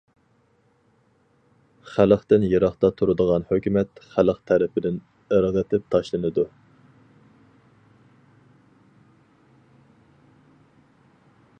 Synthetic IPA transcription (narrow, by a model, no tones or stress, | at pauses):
χælqt̪ɪnjeɾɑχt̪ɑt̪ʰuɾɨd̪əʁɑnhøkʲymɛt̪χælˠəqt̪ʰɛɾɪpʰɪd̪ɪn | əɾʁət̪ʰɪp̚t̪ʰɑʃlˠɨnɨd̪u